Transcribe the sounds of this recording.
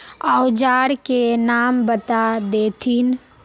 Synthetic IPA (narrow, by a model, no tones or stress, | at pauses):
aʊd͡ʒaːɽkenaːmbət̪ad̪eːt̪ʰin